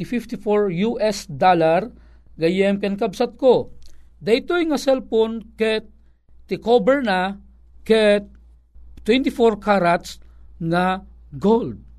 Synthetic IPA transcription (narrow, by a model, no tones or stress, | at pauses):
fift̪ɪfoɹjuʔɛsd̪alaɾ | ɡɐjɛmkɛnkɐbsat̪̚kod̪ɐjt̪ojŋɐsɛlponkɛt̪̚ː | ɪkobɛɹna | kɛt̪̚ | t̪ːwɛnt̪ɪfoɹkaɾat̪sŋɐ | ɡold̪̚